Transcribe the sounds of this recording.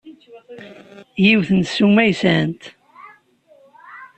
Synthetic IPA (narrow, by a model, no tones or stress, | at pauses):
jiwθənsumæjsænt̪